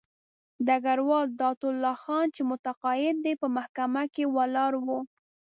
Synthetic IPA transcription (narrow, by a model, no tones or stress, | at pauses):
d̪aɡaɾwɑld̪ɑt̪ʊlːɑxɑnt͡ʃemʊt̪aqɑjɪd̪̚ːepəmahkamakewalɑɾwu